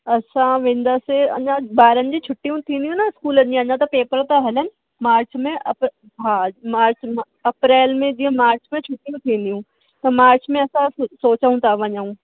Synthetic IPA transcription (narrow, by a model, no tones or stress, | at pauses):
ɐsʰãʋẽːn̆d̪aːseɐ̰ɲãbaːɾənɪ̆d͡ʑit͡ɕʰʊʈːijũt̪ʰĩːnd̪jũnaɪskuːləĩɐɲãt̪ɐpeːpəɾt̪ɐɦɐlənɪ̆ | maːɾt͡ɕmẽʔɐp | ɦaːmaːɾt͡ɕm | ɐpɾeːlmẽd͡ʑiːə̃maːɾt͡ɕmẽt͡ɕʰʊʈːijũt̪ʰĩːnd̪ijũ | t̪ɐmaːɾt͡ɕmẽɐsãsoːt͡ɕəũt̪ʰaʋɐɲəũː